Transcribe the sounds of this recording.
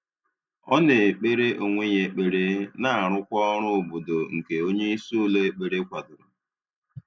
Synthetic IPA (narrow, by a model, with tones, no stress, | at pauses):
ɔ˦ne˨k͡pe˦ɾe˦ʔo˨ŋʷe˦ɲe˨k͡pe˨ɾe˦na˦a˨ɾʊ˦kʷɔ˦ɔ˦ɾʊ˦˨bo˨do˨ŋ̩˨ke˨o˦ɲe˦i˦su˦le˦k͡pe˨ɾe˦kʷa˨dʊ˨ɾʊ˨